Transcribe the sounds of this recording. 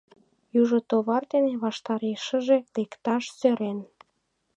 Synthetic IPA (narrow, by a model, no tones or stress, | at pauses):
juʒot̪oβɑrd̪eneβɑʃt̪ɑɾeʃə̆ʒe̽lekt̪ɑʃsøɾen